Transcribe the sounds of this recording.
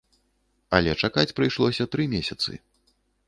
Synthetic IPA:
ɐ̰lʲɛt͡ʂakat͡sʲpɾɨjʂlˠɔsʲɐt̪ɾɨmʲesʲɐt̪sɨ̰

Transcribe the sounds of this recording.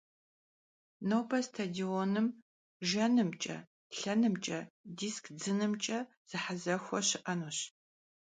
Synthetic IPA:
nowbʰɐstʰadioːnɨm | ʒɐnɨmt͡ʃʼɐ̰ | ɬɐnɨmt͡ʃʼɐdiːskʰd͡zɨnɨmt͡ʃʼɐ | z̥ɨħazɐxʷɔɕɪʔɐnoɕ

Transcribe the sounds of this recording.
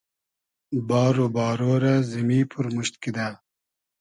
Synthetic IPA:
baːɾobɑːɾoːɾazimiːpʰuɾmuɕt̪kid̪aː

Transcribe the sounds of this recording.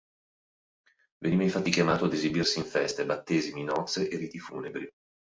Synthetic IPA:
veniːmeĩɱfat̪ːikjamaːt̪oad̪ezibirsiːɱfɛst̪ebat̪ːeːziminɔt̪sːeʔeriːt̪ifṵːnebɾi

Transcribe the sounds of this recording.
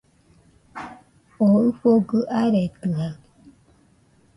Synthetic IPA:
oɯɸoɡɯʔaɾet̪ɯha

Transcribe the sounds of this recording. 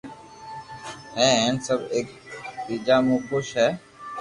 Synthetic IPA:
ɛ̃ːɦɛ̃ːnsəbeːk̚biːd͡ʒaːmũːkʊʃɦɛː

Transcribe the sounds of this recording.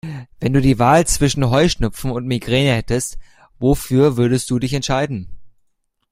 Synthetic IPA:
vɛnduːdiːvaːlt͡sv̥ɪʃn̩ɦɔʏʃnʏpp͡fn̩ʊntmiɡʁeːnəhɛtəst | vofyːɐvʏɐdəst̚d̥uːdɪçɛntʃaɪdn̩

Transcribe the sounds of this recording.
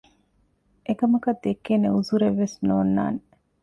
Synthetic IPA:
ʔekɐmɐkɐd̪ekːeneuzuɾeʋːesnoːnːa̰ːne

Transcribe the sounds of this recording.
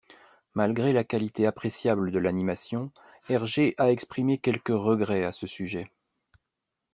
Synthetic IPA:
malɡʁelakalit̪eapχesjabləd̪əlanimasjɔ̃ | ɛʁʒeʔaɛkspχimekʲɛlkəʁəɡʁɛasəsyʒɛ

